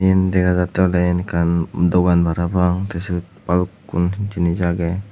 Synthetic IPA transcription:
indɛɡadat̪ɛlainkandoɡanbaɾabaŋt̪əsibut̪̚palukːunt͡ʃinid͡ʒaɡɛ

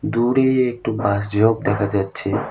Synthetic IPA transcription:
d̪uɾeek̚ʈubasd͡ʒob̚d̪ekʰad͡ʒat͡ʃʰe

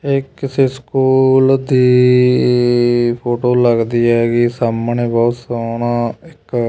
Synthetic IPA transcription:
ekːɪseːskuːld̪iː | pʰoːʈoːləɡd̪iːɛːɡisaːmɳeːbɔːt̪saːɳaːɪk

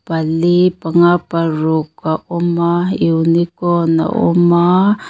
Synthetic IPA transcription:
palipaŋaparukaʔumaiunikɔna̰ʔṵma

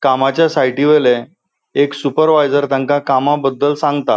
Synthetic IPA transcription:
kamat͡ɕjasaiʈiʋele | eksupəɾʋajd͡zəɾt̪ãŋkakamabəd̪ːəlsãŋɡt̪a

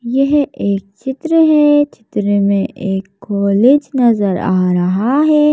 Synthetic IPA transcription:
jɐɦeːk̚t͡ʃɪt̪ɾəɦɛt͡ʃɪt̪ɾəmẽʔeːkːɔːled͡ʒnɐzəɾaːɾɐɦaɦɛː

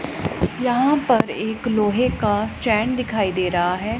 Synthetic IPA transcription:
jɐɦãːpɐɾeːkloːɦekasʈɛ̃ːɳɖd̪ɪkʰaːid̪eːɾɐɦaɦɛː

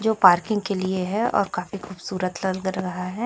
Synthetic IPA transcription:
d͡ʒoːpaːɾkɪ̃ŋɡ̚kelieɦɛɔ̰ːɾkaːfixuːbsuːɾət̪lɐlɡɾɐɡəɦaɦɛː

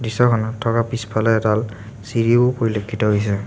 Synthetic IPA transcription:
disɔkʰɔnɔtʰːɔkapispʰalɛɛtal | siɹiʊpoɹilokʰːitɔɦojs̬ɛ

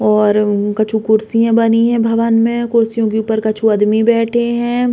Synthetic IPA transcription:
ɔːɾkɐt͡ʃʰukʊɾsijãbɐniɦɛ̃bʱɐʋənmẽkʊɾsijõkeuːpəɾkɐt͡ʃʰuɐd̪mibɛːʈʰeɦɛ̃ː

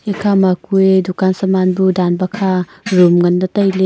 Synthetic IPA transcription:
ekʰamakuedukansamanbudanbɐkʰa | ɾumŋɐndɐtɐjle

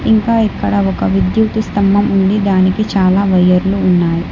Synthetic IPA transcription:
iŋkaːikːɐɽɐɔkɐʋid̪jukt̪ust̪ɐmbɐmuɳɖid̪aːnikit͡ʃaːlaːʋɐjɐɾluːnːaːji

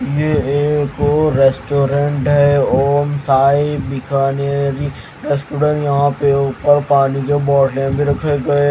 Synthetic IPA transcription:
jeːkoɾesʈoːɾẽɳʈɦɛoːmsaːibɪkʰaːneɾi | ɾeːsʈoːɾə̃ɳʈjɐɦãpeuːpəɾpaːnikebɔːʈlebʱiɾɐkʰeɡɐe

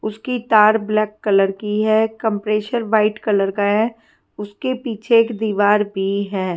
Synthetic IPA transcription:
ʊskit̪aːɾblɛːkːɐləɾkiɦɛːkə̃mpɾeːʃəɾʋaːɪʈkɐləɾkaɦɛ | ʊskepiːt͡ʃʰeːkd̪iːʋaːɾbʱiɦɛː

